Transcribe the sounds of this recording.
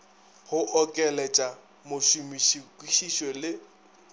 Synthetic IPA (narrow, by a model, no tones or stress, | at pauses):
hʊʔɔkʼɛlɛt͡ʃʼa | mʊʃumiʃikʼiʃiʃwɛlɪ